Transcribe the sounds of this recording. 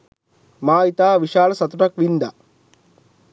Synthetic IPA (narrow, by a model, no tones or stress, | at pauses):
maːit̪aːʋiʂaːlɐsɐt̪uʈɐkʋind̪ɐ